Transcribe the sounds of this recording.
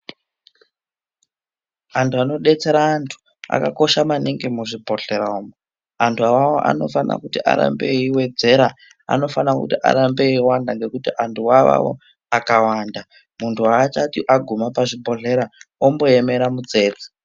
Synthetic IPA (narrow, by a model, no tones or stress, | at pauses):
antʰuano̞ɗe̞t͡se̞ɾaːntʰu̥ | a̰kako̞ʃamaniŋɡemuʐibʱo̞ɬe̞ɾaomo | antʰuawawoʔa̰no̞̰fana̰kutiʔa̰ɾa̰mbeiwe̞d͡ze̞ɾa | a̰no̞fanakṵtiʔa̰ɾambe̞iwandaŋɡe̞kutiʔantʰuwaʋa̰wo̰ | akawaːnda | muntʰuaːt͡ʃatiʔaɡʱumapaʐibʱo̞ɮe̞ɾaombo̞eme̞ɾamud͡ze̞ːd͡zi̥